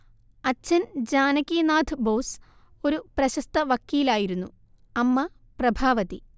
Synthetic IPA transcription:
ɐt͡ɕːɐnd͡ʑaːnɐkːiːnaːd̪ʰʱɨbo̞ːs | o̞ɾuprɐɕɐst̪ɐʋɐkːiːlaːjiɾunːu | ɐmːɐ | prɐbʱaːʋɐt̪i

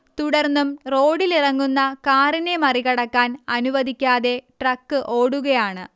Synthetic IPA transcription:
t̪uɽɐrnːumro̞ːɽilirɐŋːunːɐkaːrine̞mɐriɣɐɽɐkːaːnɐnuʋɐd̪ʱikʲːaːðe̞ʈrɐkːɨʔo̞ːɽuɣɐjaːɳɨ

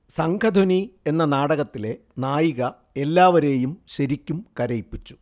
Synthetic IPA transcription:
sɐŋkʰɐd̪ʱonie̞nːɐnaːɽɐɣɐt̪ːile̞ | naːjiɣɐ | e̞lːaːʋɐɾe̞ːjumɕɐɾikʲːumkɐɾɐjpːit͡ɕːu̥

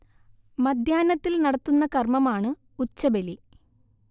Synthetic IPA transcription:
mɐd̪ʱjaːnɐt̪ːilnɐɽɐt̪ːunːɐkɐrmɐmaːɳɨ | ut͡ɕːɐbeli

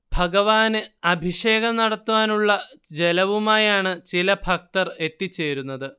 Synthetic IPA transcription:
bʱɐɡɐʋaːnɨɐbʱiʂe̞ːɡɐmnɐɽɐt̪ːuʋaːnuɭːɐd͡ʑe̞lɐʋumaːjaːɳɨt͡ɕilɐbʱɐk̚t̪ɐre̞t̪ːit͡ɕːe̞ːɾunːɐðɨ

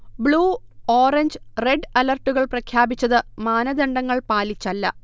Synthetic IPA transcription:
bɭuːo̞ːreɲd͡ʑre̞ɖɐlɐrʈːuɣɐɭprɐkʰjaːbit͡ɕːɐðɨmaːnɐd̪ɐɳɖɐŋːɐɭpaːlit͡ɕːɐlːɐ̰

